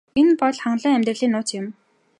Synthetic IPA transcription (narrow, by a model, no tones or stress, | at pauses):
enpɔɮχaɴɮə̆ːŋæmʲt̪rɘ̆ɮiːnʊːt͡sɪm